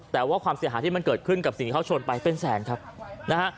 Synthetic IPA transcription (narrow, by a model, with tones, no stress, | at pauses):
t̪ɛː˨˩waː˥˩kʰwaː˧msi˨˦ɦaː˩˦t̪ʰiː˥˩ma˧nkɤː˨˩t̪̚kʰɯ˥˩nka˨˩p̚si˨ŋt̪iː˥˩ka˥˩t͡ɕʰoː˧npa˧jpe˧nsɛː˩˦nkʰa˦˥p̚na˦˥kʰa˦˥ʔ